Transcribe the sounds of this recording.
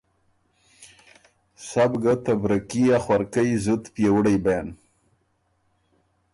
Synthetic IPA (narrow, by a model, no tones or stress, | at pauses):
sabɡat̪abɾakiaxwaɾkajzut̪pjewɽajban